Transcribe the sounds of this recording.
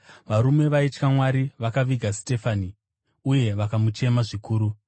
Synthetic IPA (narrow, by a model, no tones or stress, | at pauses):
ʋaɾume̞ʋait͡ʃkamwaɾiʋakaʋiɡʱaste̞fani | uje̞ʋakamut͡ʃe̞maʐikuːɾu